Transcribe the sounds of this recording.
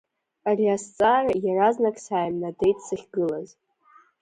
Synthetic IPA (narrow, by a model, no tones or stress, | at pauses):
ariast͡sʼaːrajaraznakʼsaːjmnade̞jtʰʼsɨχʲɡɨlaz